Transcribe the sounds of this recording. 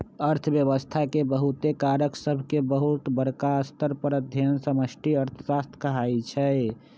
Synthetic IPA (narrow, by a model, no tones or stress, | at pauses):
əɾt̪ʰəbjəβəst̪ʰakebəɦut̪ekaɾəksəbʱkebəɦut̪bəɾkaəst̪əɾpəɾəd̪ʱjənsəməsʈiəɾt̪ʰəsast̪ʰkəɦajt͡ʃʰɛ